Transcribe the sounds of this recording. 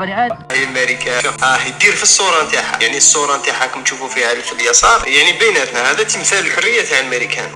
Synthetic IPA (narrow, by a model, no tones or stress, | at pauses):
həjːælmæɾikaaʔæhd̪iɾfisˤːuɾˤɑmt̪aħa̰jaʕnisˤːuɾˤɑmt̪aħakæmʃufufihælfəljɑsˤɑɾˤjaʕnibæjnæt̪nahæd̪æt̪iməθæləlħʊrːəjːat̪halmæɾikʰæ̰n